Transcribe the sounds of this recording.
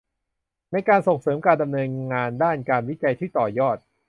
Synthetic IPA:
na˧jkaː˧nso˨˩ŋsɤː˩˦mkaː˧nda˧mnɤː˧nŋaː˧ndaː˥˩nkaː˧nwi˦˥t͡ɕa˧jt̪ʰiː˥˩t̪ɔː˨˩jɔː˥˩t̪̚

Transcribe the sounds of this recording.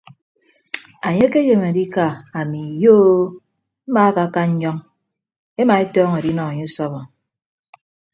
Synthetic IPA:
a˨ɲe˦ke˦je˨m˨a˨di˦ka˨a˨mi˨joː˦ | m̩˦ma˦ka˦˨ka˦ɲ̩˦ɲɔ˦ŋ | e˦ma˨e˦tɔː˦ŋe˨di˦nɔ˨a˨ɲe˦u˦sɔ˦βɔ˨

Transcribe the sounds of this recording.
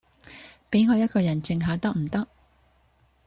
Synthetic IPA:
pe˨˥jŋɔː˨˧jɐ˥t̚kɔː˧jɐ˨˩nt͡sɪ˧ŋɦaː˨˧t̪ɐ˥k̚m̩˨˩t̪ɐ˥k̚

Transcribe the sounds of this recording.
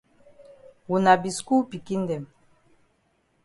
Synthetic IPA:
wu˨na˨bi˨sku˦pi˨ki˦nd̪ɛ˨m

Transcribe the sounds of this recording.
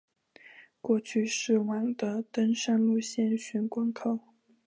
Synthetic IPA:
kwɔ˥˧t͡ɕʰy˥˧ʂɻ̩˥˩wa˧˩ŋd̪ə˧t̪ə˥nʂa˥˧nlu˥˧ɕjɛ˥˩nɕy˧˥nkwa˥ŋkʰɤ˥˩ʊ

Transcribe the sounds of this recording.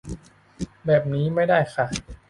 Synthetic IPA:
bɛː˨˩p̚niː˦˥ma˥˩jdaː˥˩jxʰa˥˩

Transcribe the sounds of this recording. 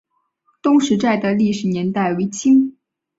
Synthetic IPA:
t̪ʊ˥ŋʂɻ̩˧˥t͡sa˥˩ɪd̪ə˩li˥˩ʂɻ̩˨˩njɛ˧˥nt̪a˥˩ɪwe˧˥ɪt͡ɕʰi˥ŋ

